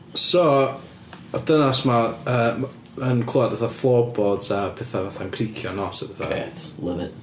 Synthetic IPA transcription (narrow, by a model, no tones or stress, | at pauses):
sɔ | ɔd̥ənasmaəː | ənkʰlˠuadvaθaflˠɔbɔd̥əːpʰɛːθavaθankʰrikʰjɔnɔsɛvaθa̰ḛtlˠɪvɪ̰n